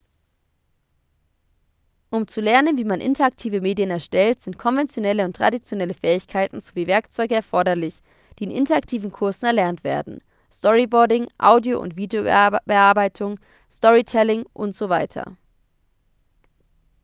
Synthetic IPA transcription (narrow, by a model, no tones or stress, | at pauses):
ʔʊmt͡sulɛɐnənviːmanʔɪ̰ntɐak̚tʰiːvəmeːdjənɛɐʃtɛltz̥ɪntkʰɔnvɛnt͡sjonɛləʊntːʁ̥a̰dit͡sjonɛləfɛːɪçkʰaɪtn̩zoviːvɛɐkt͡sɔʏɡəɛɐfɔɐdɐlɪç | d̥iːɪnʔɪ̰ntɐak̚tʰiːvn̩kʰʊɐzn̩ɛɐlɛɐntv̥ḛːɐdn̩ | stɔʁibɔɐdɪŋʔa̰ʊdioʔʊ̰ntv̥iːdeobəʔaːɐbaɪtʰʊŋ | stɔʁitʰɛlɪŋʔʊntz̥ovaɪtʰɐ̰